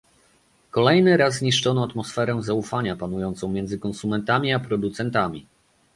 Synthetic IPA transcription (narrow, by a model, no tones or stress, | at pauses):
kɔlɛjnɘɾazɲiʂt͡ʂɔnɔat̪mɔsfɛɾɛ̃zaufaɲapanujɔnt̪sɔ̃w̃mʲjɛnd̪zɘkɔ̃nsumɛnt̪amʲiapɾɔd̪ut̪sɛnt̪amʲi